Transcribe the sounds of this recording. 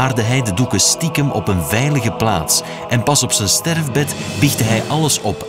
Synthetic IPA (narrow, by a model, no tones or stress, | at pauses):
aːrdəɦɛjdədukəstikəmɔpənvɛjləɣəpla̰ːts | ʔɛnpɑsɔpsənstɛrvbɛt | bɪxdəɦɛjʔɑləsɔp